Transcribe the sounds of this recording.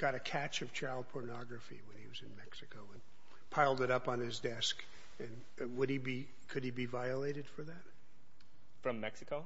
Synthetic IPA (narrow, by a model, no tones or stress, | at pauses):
ɡ̥ɑɾɨkʰæt͡ʃʌv̥t͡ʃʰaɪlˠd̚pʰɔɹnɑɡɹɨfḭwə̃niwʌzɨ̃nmɛksɨkoʊə̃n | pʰaɪlˠdɨɾʌpn̩ɪzdɛsk | ɨ̃n | wədibi | kʰɨd̚ibivaɪəleɪɾɨd̥fə˞ðæt̚ | fɹʌ̃mːɛksɨkoʊ